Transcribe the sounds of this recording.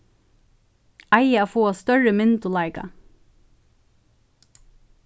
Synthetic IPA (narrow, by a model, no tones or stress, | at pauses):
ʔɑɪəæːfoːɑst̪œɹəmɪnd̪ʊlɑɪɡɑ̰